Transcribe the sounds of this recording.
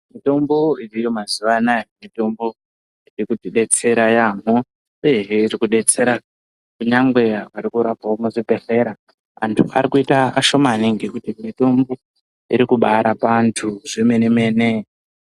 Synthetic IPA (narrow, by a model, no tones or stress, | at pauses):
mito̞mbo̞irijo̞mazuʋanajomito̞mbo̞ | irikutiɗe̞t͡se̞ɾajam̤o | ujeɦeiɾikuɗe̞t͡se̞ɾa | kuɲaŋɡwe̞akarikuɾapaomuʐipe̞ɬe̞ɾa | a̰ntʰua̰ɾikuitaaʃo̞maniŋɡekutimito̞mbo̞ | iɾikuɓaɾapantʰuʐeme̞neme̞ne